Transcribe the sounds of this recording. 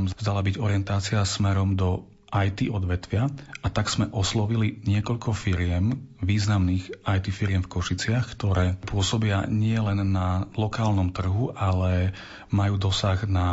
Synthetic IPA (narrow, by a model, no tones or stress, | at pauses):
mvzd̪alabiɟɔɾɪɛnt̪aːt͡sɪasmɛɾɔmd̪ɔ | ʔajt̪iɔd̪ʋɛt̪ʋɪaat̪aɡz̥mɛʔɔslɔʋiliɲɪɛkɔʎkɔfiɾɪɛmʋiːznamniːɣajt̪ifiɾɪɛmfkɔʃit͡sɪaxkt̪ɔɾɛːpʊɔsɔbɪaɲɪɛlɛnːalɔkaːlnɔmt̪r̩ɦuʔalɛ | majuːd̪ɔsaɣna